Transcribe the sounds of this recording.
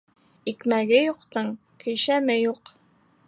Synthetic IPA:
ikmæɡɘjuqt̪ɤɴ | kʰɵ̆jʃæmɘjuq

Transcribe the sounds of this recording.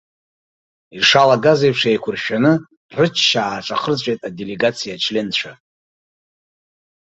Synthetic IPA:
iʂalaɡazejpʰʂejkʷʰʊrʃᶣanɨ | rɨt͡ʃʰʃaːʈ͡ʂʷʼaχərt͡ɕʷʼejtʼadele̞ɡat͡sʰijat͡ʃʰlent͡ɕʷʰa

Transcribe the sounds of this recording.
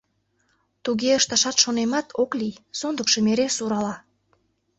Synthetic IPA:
t̪uɣeəʃt̪ɑʃɑt̪ʃonemɑt̪ʰoklʲijsond̪əkʃɤmeɾesuɾɑlɑ

